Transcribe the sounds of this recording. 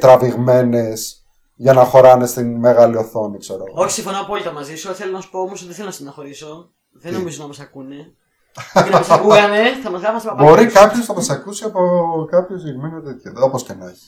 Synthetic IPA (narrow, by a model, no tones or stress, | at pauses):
t̪ɾɐviɣme̞ne̞s | ʝɐnɐxo̞ɾɐne̞st̪inme̞ɣɐlioθo̞nikseɾoɣooçi̥sĩɱfo̞nɐpolit̪ɐmɐzisuoθelonɐsu̥poomosot̪iθelonɐsinɐnɐxo̞ɾiso | ðennomizonɐmɐsɐkune | mɐskuɣɐneθɐmɐzɣɾɐfɐst̪ɐpɐbo̞ɾikɐpçoznɐmɐsɐkusiɐpokɐpçoziɣmenot̪et̪çɐðoposcenɐçi̥